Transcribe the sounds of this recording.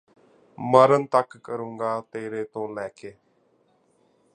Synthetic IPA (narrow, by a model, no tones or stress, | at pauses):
məɾənt̪əkːəɾũːŋɡaːt̪eːɾeːt̪õːlɛːkeː